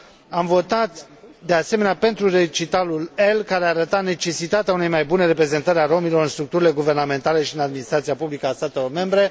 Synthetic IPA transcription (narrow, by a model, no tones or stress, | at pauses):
amvo̞t̪at̪ | d̪e̞ase̞meneape̞nt̪ɾuret͡ʃit̪alule̞lkaɾeaɾət̪atne̞t͡ʃe̞sit̪at̪eaune̞jmajbuneɾe̞pɾe̞ze̞nt̪əɾaro̞milo̞ɾɨnst̪ɾuk̚t̪uɾile̞ɡuve̞rname̞nt̪ale̞ʃiɨnad̪minist̪ɾat̪sijapublikəast̪at̪e̞lo̞rme̞mbɾe̞